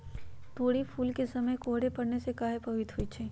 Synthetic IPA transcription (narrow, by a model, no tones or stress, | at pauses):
t̪oːɽipʰuːlkesɐməjkoːɦɽepɐɽnesekaːɦepɐʋit̪ɦoit͡ʃʰɛː